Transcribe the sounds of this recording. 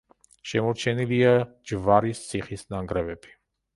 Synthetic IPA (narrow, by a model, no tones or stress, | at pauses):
ʃɛmɔɾt͡ʃʰɛnilia | d͡ʒvaɾist̪sʰiχisnaŋɡɾɛvɛb̥i̥